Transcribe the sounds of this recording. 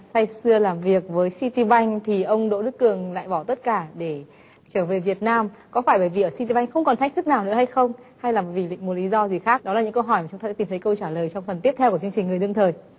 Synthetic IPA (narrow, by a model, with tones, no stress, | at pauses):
sa˧jsɨ˧əlaː˨˩mvi˨˩ək̚vəː˨˦jsi˧t̪i˧ɓa˧jŋ̟t̪ʰi˨˩ʔə˧wŋ͡mɗo̰˧˥ɗɨ˦˥kːɨ˨˩əŋla̰ː˧˨jɓɔ˧˩t̪ə˦˥t̚kaː˧˩ɗe˧˩ | t͡ɕəː˧˩ve˨˩vi˨˩ət̚naː˧mkɔ˨˦faː˧˩jɓəː˧˩jvḭ˨˩ʔəː˧˩si˧t̪i˧˩ɓa˧jŋ̟xə˧wŋ͡mkɔ˨˩nt̪̟̚ʰt̪ɨ˦˥k̚naː˨˩wnɨ̰˧˥əha˧jxə˧wŋ͡m | ha˧jlaː˨˩m˨˩vi˨˩lḭ̈˧˨ŋ̟mu˨˩t̚li˨˦zɔ˧zi˨˩xaː˦˥k̚ɗɔ˨˦aː˨˩ɲɨ̰˧˥ŋkə˧wɦɔ˧˩jma˨˩ʊ˨˦ŋ͡mt̪a˧si˨˩t̪ʰə˨˦jkə˧wt͡ɕaː˧˩ləː˨˩jt͡ɕɔ˧wŋ͡mfə˨˩nt̪i˦˥əpt̪ʰɛ˧wkət͡ɕɨ˧əŋt͡ɕï˨˩ŋ̟ŋɨ˩əɗɨ˧əŋt̪ʰəː˨˩j